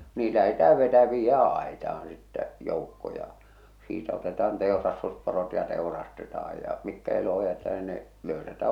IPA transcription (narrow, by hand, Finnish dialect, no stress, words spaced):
niː læhetæː ʋetæ ʋiːjːæː ɑˑetɑɑn̞ sitːæ joˑukːo jɑ siːtæ otetɑːn teˑorɑstusporot jɑ teˑu̞rɑstetɑːj jɑ mikːæ eloho jætetæ ni ne løysætæ